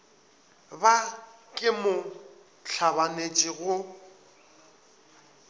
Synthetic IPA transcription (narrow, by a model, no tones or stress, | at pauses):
ba | kʼɪmʊ | ɬt͡ɬʰabanet͡ʃʼɪɣʊ